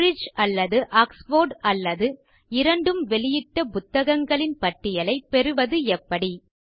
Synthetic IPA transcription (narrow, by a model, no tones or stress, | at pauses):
ɾɪd͡ʒɐlːɐðɯʔaːksfoːɾɖɐlːɐðɯ | ɪɾɐɳɖɯmʋɛɭɪjɪʈːɐpʊt̪ːɐɣɐŋɡɐɭɪnpɐʈːɪjɐlɐɪpɛɾɯʋɐðɯɛpːɐɽi